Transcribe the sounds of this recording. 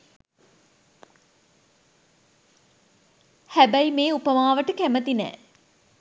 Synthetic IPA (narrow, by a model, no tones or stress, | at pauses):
hæbæjimeːupəmaːʋəʈəkæmət̪inɛ̰ː